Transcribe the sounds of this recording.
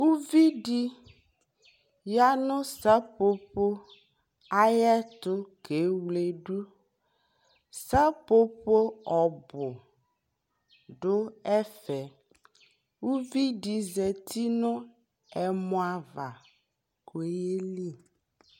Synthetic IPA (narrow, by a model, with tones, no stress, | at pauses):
wu˦vi˦ɖi˦ | ja˦nʊ̃˦sa˦po˦po˦ | a˦jɛ˦t̪ʊ˦ke˨˦wle˨ɖu˦ | sa˦po˦po˦ɔ˨bʊ˨ | ɖʊ˦ɛ˦fɛ˨ | wu˦vi˦ɖi˨zɛ˨t̪i˦nʊ̃˦ | ɛ˨mɔ̃˦a˨va˨ | ko˨e˦je˦li˦